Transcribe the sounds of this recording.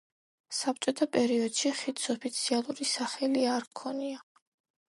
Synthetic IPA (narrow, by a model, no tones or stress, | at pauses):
sap̚t͡ʃʼɔt̪ʰapʼɛɾiɔd̪̥ʃiχit̪sʰɔpʰit̪sʰialˠuɾisaχɛliaɾkʰɔnia